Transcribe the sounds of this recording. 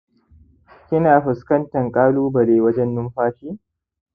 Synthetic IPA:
kʲɪ˦naː˨ɸɨ˨skɐ˦ntɐ˨ŋkʼaː˦luː˦bɐ˨leː˨wɐ˦d͡ʒɛ˦nːʊ˦mɸaː˦ʃiː˦

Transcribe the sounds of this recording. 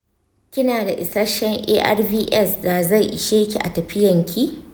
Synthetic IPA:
kʲɪ˦naː˨da˨ʔɪ˨sɐ˦ʃɛ˦ŋʔḛː˦ʔɐ̰˦rbiː˦ʔɛ˦sdaː˨za˦˨jʔɪ̰˨ʃeː˦kʲḭ˨ʔa̰˨tɐ˨ɸɪ˦jɐ˨ŋkʲʰi˦ʔ

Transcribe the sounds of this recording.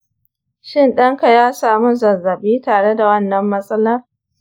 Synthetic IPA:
ʃɪ˦˨nɗɐ˦ŋka˨jaː˦saː˨mu˦zɐ˨zːɐ˨biː˦taː˨ɽe˦da˨wɐ˦nːɐ˨mːɐ˦sʼɐ˦laː˦

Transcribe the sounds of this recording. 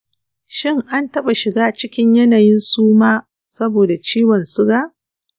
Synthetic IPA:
ʃɪ˦ŋʔa˦ntɐ˦ɓa˨ʃɪ˨ɡaː˦t͡ʃɪ˦kʲɪ˦ɲjɐ˦naː˨jɪ˦nsuː˦maː˦ | sɐ˦boː˨da˨t͡ʃiː˦wɔ˨nsʊ˦ɡa˦ʔ

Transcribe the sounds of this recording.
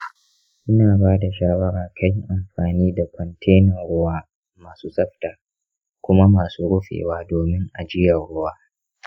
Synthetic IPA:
ʔɪ˦naː˨baː˦da˨ʃaː˦wɐ˦ɾaː˨kʰa˦jʔa˨mɸaː˨niː˦da˨kʷɔ˨ntʰe˦nɔ˨ŋɽʊ˦waː˦ | maː˨suː˦sʼɐ˦ɸtaː˨ | kʷʊ˦ma˦maː˨suː˦ɽʊ˦ɸḛː˨waː˦doː˨mɪ˦ŋʔa˨d͡ʒɪ˦jɐ˨ɽʊ˦waː˦

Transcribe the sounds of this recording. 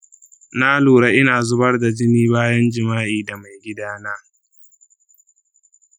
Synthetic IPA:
naː˦loː˨ɽa˦ʔɪ˦naː˨zʊ˦bɐ˦rda˨d͡ʒɪ˦niː˦baː˦jɐ˦nd͡ʒɪ˨maː˦ʔiː˨da˨ma˨jɡʲɪ˦daː˦naː˦

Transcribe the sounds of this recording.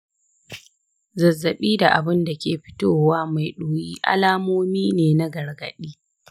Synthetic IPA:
zɐ˨zːɐ˨ɓiː˦da˨ʔa˨bɪ˦nda˨kʲeː˨ɸɪ̥˦toː˦waː˦ma˨jɗoː˨jiː˦ʔa̰˦laː˦moː˦miː˦neː˨na˦ɡɐ˨rɡɐ̰˨ɗiː˦

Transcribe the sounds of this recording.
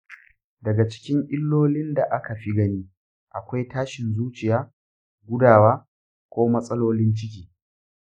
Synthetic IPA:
dɐ˨ɡa˨t͡ʃɪ̥˦kʲɪ˦ŋʔɪ˦lːoː˦lɪ˦nda˨ʔa˦ka˨ɸi˦ɡɐ˦niː˦ | ʔa˨kʷa˦jtaː˦ʃɪ˨nzuː˦t͡ʃɪ˨jaː˦ | ɡʷʊ˦daː˨waː˦ | kʷoː˦mɐ˦sʼɐ˦loː˦lɪ˦nt͡ʃɪ˦kʲiː˨

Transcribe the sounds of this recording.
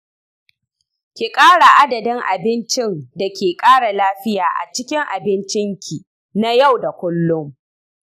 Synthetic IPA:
kʲi˨kʼaː˦ɽa˨ʔa˦dɐ˨dɪ˦ŋʔa̰˨bɪ˦nt͡ʃɪ˦nda˨kʲeː˨kʼaː˦ɽa˨laː˦ɸɪ˦jaː˨ʔa̰˨t͡ʃɪ˦kʲɪ˦ŋʔa˨bɪ˦nt͡ʃɪ˦ŋkʲi˨ | na˦ja˦˨wda˨kʷʊ˦lːʊ˦m

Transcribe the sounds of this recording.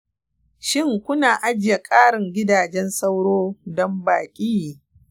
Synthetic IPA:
ʃɪ˦ŋkʷʊ˦naː˨ʔa˦d͡ʒɪ˨ja˨kʼaː˦ɽɪ˨ŋɡʲɪ˦daː˨d͡ʒɛ˦nsa˦wɽoː˦dɔ˦mbaː˨kʲʼiː˦˨

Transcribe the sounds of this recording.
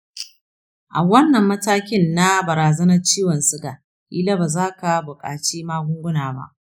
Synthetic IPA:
ʔa˨wɐ˦nːɐ˨mːɐ˦taː˦kʲɪ˦nːa˦bɐ˨ɾaː˨zɐ˦nɐ˦rt͡ʃiː˦wɐ˨nsʊ˦ɡa˨ | ʔḭː˦la˦baː˨zaː˦ka˨bʊ˨kʼa̰ː˨t͡ʃiː˦maː˦ɡʷʊ˦ŋɡʷʊ˦naː˨ba̰˦ʔ

